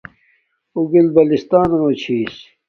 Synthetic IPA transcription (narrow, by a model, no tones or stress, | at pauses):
uɡilbɐlist̪aːnmot͡ɕʰiːs